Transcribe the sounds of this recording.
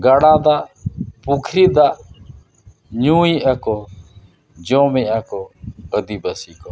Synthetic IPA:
ɡəɽaːd̪aːpukʰɾiːd̪aː | ɲũːiːəko | d͡ʒoːmeːəkoəd̪iːbəsiːko

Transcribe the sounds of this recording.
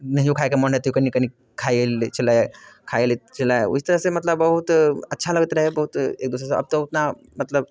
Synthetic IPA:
nɐɦĩjokʰaːekemɔɳet̪jokɐnːikɐni | kʰaːelt͡ʃʰɐlaekʰaːelit͡ʃɐlaeʊ̰st̪ɐɾəɦsemɐt̪ləbːɐɦut̪ɐtːʃʰalɐɡət̪ɾɐɦebɐɦut̪ḛːk̚d̪ʊːs̬ɾeseʔɐ̰b̚t̪oʊt̪na | mɐt̪ləb̚

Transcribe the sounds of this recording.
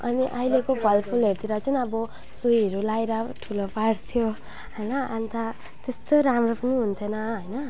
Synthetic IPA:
ʌ̰niʔʌilekobʱʌlpʰulɦeɾt̪iɾʌt͡sʰunʌbʌ | sujʌɾulajɾaʈʰulopaɽt̪ʰjo | ɦʌjnʌant̪ʰa | t̪est̪oɾamropʌniɦunt̪ʰjonʌɦʌjnʌ

